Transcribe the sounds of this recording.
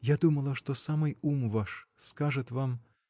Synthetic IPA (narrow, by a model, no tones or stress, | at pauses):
jad̪umɐlˠɐʂt̪osamɨjumvaʂskaʐɨt̪vam